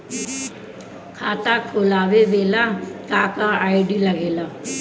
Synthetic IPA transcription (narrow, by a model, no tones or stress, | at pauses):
kʰaːt̪akʰoːlaːʋeʋeːlakaːkaaːɪɖilɐɡeːlaː